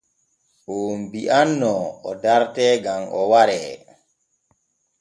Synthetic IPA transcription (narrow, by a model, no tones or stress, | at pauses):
ʔombiʔanːɔɔdaɾtɛɡamʔɔ̰waɾɛ